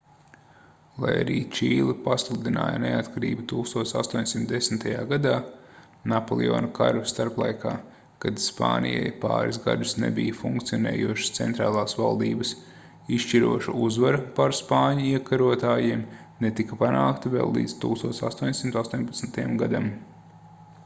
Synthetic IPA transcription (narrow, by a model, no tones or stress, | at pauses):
lˠa̰ja̰ɾiːt͡ʃiːlˠipaslˠud̪ina̰ːja̰neat̪kaɾiːbut̪uːkst̪uɔːt̪sa̰st̪uɔɲʲsimt̪d̪esm̩t̪ajaːɡad̪aː | napolˠio̰ːnaka̰ɾvist̪aɾplˠa̰jkaː | kad̪spa̰ːnḭja̰jpa̰ːɾiszɡa̰d̪usnḛbijɐfuŋk̚t̪sijɔnɛ̰ːjuɔʃst̪sḛnt̪ɾaːlˠaːsvalˠd̪iːbɐs | iʃʃt͡ʃiɾuɔʃuuzvaɾɐpaɾspaːɲuiɛkaɾuɔt̪aːjiːm | net̪ikɐpanaːkt̪avɛ̰ːlˠːḭːd̪st̪uːkst̪uɔt̪sast̪uɔɲsimt̪ast̪uɔɲʲpat̪snt̪ajamɡad̪am